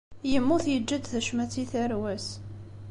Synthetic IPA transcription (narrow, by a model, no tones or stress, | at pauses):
jəmːuθjəd͡ʒːəd̪θəʃmæt͡sːiθəɾwæs